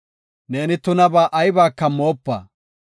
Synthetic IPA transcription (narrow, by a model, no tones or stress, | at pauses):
ne̞ːnɪt̪ʊnɐbaːʔɐjbaːkːɐmoːpːɐ̰